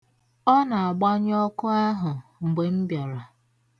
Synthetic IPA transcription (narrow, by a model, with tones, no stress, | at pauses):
ɔ˦na˨a˨ɡ͡ba˦ɲ˦ɔ˦kʊ˦a˦ɦʊ˨ŋ͡m̩˨ɡ͡be˨m̩˦bjɔ˨ɾa˨